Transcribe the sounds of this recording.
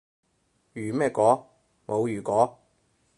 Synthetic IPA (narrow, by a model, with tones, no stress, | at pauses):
jyː˨˩mɛː˥˩kɔː˨˥ | mʔo˨˧wjyː˨˩kɔː˨˥